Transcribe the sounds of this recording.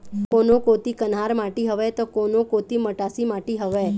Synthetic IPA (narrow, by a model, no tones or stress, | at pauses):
konokot̪ikənɦaɾmaʈiɦəʋet̪okonokot̪iməʈasimaʈiɦəʋe